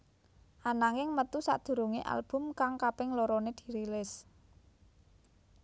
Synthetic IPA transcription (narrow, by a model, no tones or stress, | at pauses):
ʔanaŋɪŋmət̪usa̰ʔd̪̥ṳɾuŋeʔa̰lb̥ʊ̤mkaŋkapɪŋloɾɔned̪̥i̥̤ɾilɪs